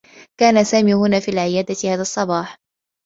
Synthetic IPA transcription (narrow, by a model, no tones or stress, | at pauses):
kaːnasaːmiːhʊnaːfiːlʕɪjaːd̪at̪ɪhaːðasˤːɑbɑːħ